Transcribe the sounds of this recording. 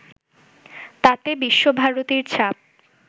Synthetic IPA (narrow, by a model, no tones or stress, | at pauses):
t̪at̪ebiʃːobʱaɾot̪iɾt͡ɕʰap̚